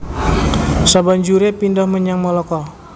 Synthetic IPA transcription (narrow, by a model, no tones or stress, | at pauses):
saband͡ʒuɾepindɔhməɲaŋmɔlɔkɔ